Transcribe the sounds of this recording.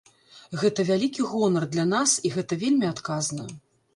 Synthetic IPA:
ɣɛt̪ɐvʲalʲikʲiɣɔnɐrd̪lʲanasiɣɛt̪ɐvʲelʲmʲiat̪kaznɐ

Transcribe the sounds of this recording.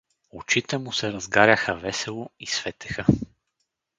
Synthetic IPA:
ot͡ʃit̪ɛmusɛɾɐzɡaɾʲɐxəvɛsɛlˠoisvɛt̪ɛ̥xə

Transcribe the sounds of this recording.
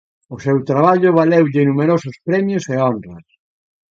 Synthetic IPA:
ʊsewt̪ɾaβaʎʊβalewʎɪnumeɾosʊspɾɛmjʊseonrɐs

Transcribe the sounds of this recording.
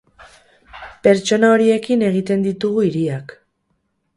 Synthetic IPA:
pe̞ɾt͡ʃo̞nao̞ɾie̞kine̞ɣ̞it̪e̞nd̪it̪uɣuiɾiak

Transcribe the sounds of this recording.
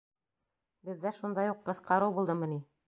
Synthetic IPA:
bɘ̆ðːæʃund̪ɑjuqqːɤ̆θqɑɾɤwbulˠd̪ɤmɤ̆ni

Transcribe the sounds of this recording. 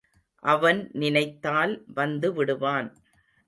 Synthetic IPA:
ʔɐʋɐnnɪnɐɪt̪ːaːlʋɐnd̪ɯʋɪɽɯʋaːn

